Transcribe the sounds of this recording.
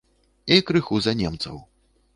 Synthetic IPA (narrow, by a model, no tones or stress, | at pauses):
ikɾɨxuzanʲɛmt̪sɐ̰w